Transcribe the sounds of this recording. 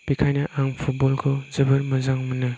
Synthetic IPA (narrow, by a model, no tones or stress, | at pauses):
bikʰajnɐʔaŋpʰut̚bɔlkʰozɐbɯɾmɐzaŋmɯnɯ